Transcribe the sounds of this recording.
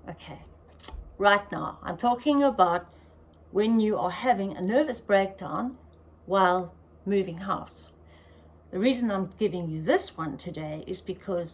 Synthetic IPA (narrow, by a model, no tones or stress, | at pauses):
ʔoʊkʰeɪ | ɹaɪtⁿna̰ʊã̰ɪ̃mtʰɔkɪ̃ŋəbaʊt̚ | wɨ̃njɨə˞hævɪ̃ŋɨ̰nɜ˞vɨsb̥ɹeɪk̚d̥ãʊ̃n | waɪlˠ | mʉvɪ̃ŋɦa̰ʊs | ðɨɹizɨ̃nãɪ̃mɡ̥ɪvɪ̃ŋjɨðɪswʌ̃ntʰɨdeɪʔɨ̰zbɨkʰʌz̥